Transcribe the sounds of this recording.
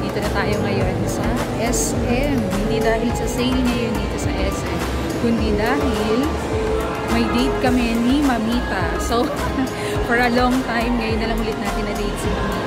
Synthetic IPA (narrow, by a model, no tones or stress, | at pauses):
d̪iːt̪o̞nɐt̪aːjo̞ŋɐjo̞nsɐ | ʔɛs | ʔɛmhɪnd̪id̪aːhɪlsɐsɛlŋɐjond̪iːt̪o̞sɐʔɛsʔɛm | kʊnd̪id̪aːhɪl | mɐjd̪ejt̪̚kɐmɛnimɐmiːt̪ɐso̞ | fɔɹɐloŋt̪ajmŋɐjonːɐlɐŋhʊlɪt̪̚naːt̪ɪnɐd̪ejt̪̚sɐmɐmi